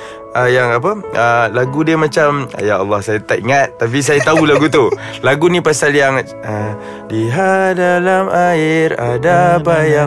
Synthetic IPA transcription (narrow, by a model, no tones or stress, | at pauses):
ʔəjaŋap̬əəlaɡudiəmat͡ʃam̰jaɑlːɑhsajat̪aʔḭŋat̪̚ːap̬is̬ajat̪aulaɡut̪u | laɡunĩpasaljaŋ | ə | diɦadalamaɪɾadabaja